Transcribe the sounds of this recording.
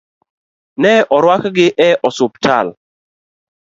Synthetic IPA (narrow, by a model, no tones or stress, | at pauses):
nɛʔɔɾwakɡɪʔɛʔɔsʊp̚tʰal